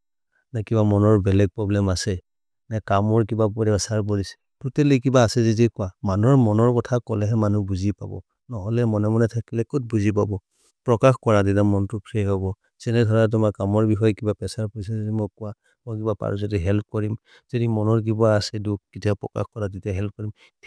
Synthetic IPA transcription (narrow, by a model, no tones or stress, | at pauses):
nakibamɔnɔɹbɛlɛɡ̚pɹɔblɛmasɛ | nakamɔɹk̬ibapɔɛsaɹbolisɛ̥ | tutɛlekibaːsɛzidikʊamanɔɹmɔnɔɹkɔtʰakɔlɛɦɛmanubuzipa̰bɔ̰ | nɔɦɔlɛmɔnɛmɔnɛtʰakilɛkot̚buzip̬abɔ | pɹɔkaxkɔɹaditamɔntʊpʰɹikɔbɔ | z̥ɛnɛdʱɔɹat̬ʊmakamɔɹbixɔjɔkibapɛsaɹpɔɹisɛzɔdimɔjkʊwa | mɔjkibapa̰ɹuzɔdiɦɛlp̚ʰkɔɹim | zodimɔnɔɹk̬ibaːsɛduk̚kitʰapɹɔka̰xkɔɹaditaɦɛlp̚ʰkɔɹim